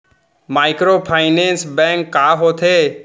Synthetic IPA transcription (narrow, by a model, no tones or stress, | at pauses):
maːɪkɾoːpʰaːɪnẽːnsbɛ̃ŋkːaːɦoːt̪ʰeː